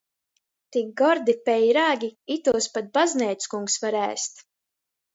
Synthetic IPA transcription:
t̪ik̚ɡɔɾd̪ipɛjɾaːɡʲiit̪uɔspat̪̚baznʲɛːt̪skuŋksvaɾæ̰ːst̪

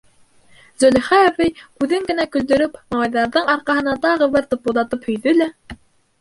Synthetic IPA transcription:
zɵlɘχæævɘjkʉðɘŋɡɘ̆nækɵ̆ld̪ɵ̆ɾɵpmɑɴɑjðɑɾðɤɴɑɾqɑɦɤ̆nɑt̪ɑʁɤ̆βɘɾt̪ŏpuðˠɑt̪ɤphɵ̆jðɵlæ

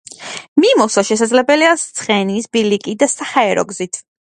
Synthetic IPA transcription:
mimɔsaʃɛsad̪zlɛbɛliast̪sʰχɛniːsbilikʼid̪asahaɛɾɔ̰ɡzit̪ʰ

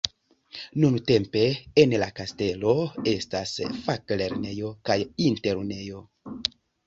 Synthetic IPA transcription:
nunte̞mpe̞ːnlakaste̞lo̞e̞stasfakle̞ɾne̞jo̞kajinte̞ɾne̞jo̞

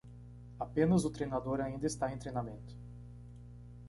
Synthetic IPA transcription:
apẽnɐzʊt̪ɾejnad̪oɾaĩnd̪ɐɪst̪aẽj̃t̪ɾejnamẽnt̪ʊ̥

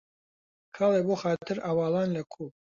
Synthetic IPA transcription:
kʰɑːlˠeboxaːt̪ʰɨɾawɑːlˠɑːnlɐkʰuː

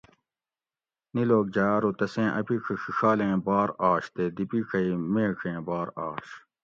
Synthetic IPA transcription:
niloːk̚d͡ʑaːɾot̪ɐsẽːʔɐ̰piːkʰɐxixaːlẽːbaːɾaːɕt̪ed̪ipiːkʰɐimẽːkʰẽːbaːɾaːɕ

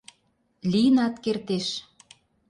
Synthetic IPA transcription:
lʲijənɑt̪kert̪eʃ

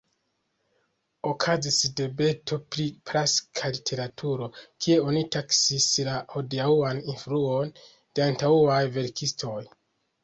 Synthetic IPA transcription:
o̞kʰazisde̞be̞tʰo̞pɾipɾaskʰalitʰe̞ɾatʰuɾo̞kʰie̞o̞nitaksislaho̞diauaninfɾuon | d̥e̞antauajve̞ɾkʰistʰo̞j

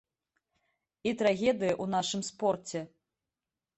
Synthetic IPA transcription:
it̪ɾaɣʲɛd̪ɨjɐʔun̪aʂɨmspɔrt͡sʲɛ

